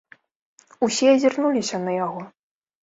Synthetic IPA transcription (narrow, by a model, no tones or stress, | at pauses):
usʲɛzʲirnulʲisʲɐnɐjaɣɔ